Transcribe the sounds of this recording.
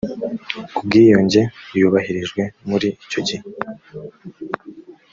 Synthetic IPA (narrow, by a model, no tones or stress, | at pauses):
kubɡiːjoɲɟe̞juβahiɾiʒɡwe̞muɾiːco̞ɟih